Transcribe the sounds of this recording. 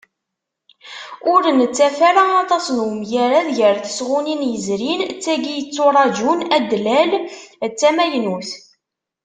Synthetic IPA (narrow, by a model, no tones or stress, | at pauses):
ʊɾənət͡sːæfæɾaɑt̪ˤɑsənwəmjæɾæðʝəɾθə̥sʁuninjəzɾint͡sːæɡijət͡sːʊɾˤɑd͡ʒunæd̪lælt͡sːæmæjnuθ